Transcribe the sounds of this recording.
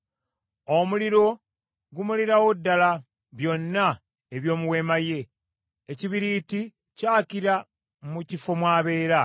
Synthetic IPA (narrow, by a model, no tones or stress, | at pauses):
omuliɾo̞ | ɡumuliɾawo̞dːala | βjo̞nːa | eβjo̞ːmuwe̞maje̞ː | ciβiɾiti | caːkiɾa | mucifo̞mwaːβe̞ːɾa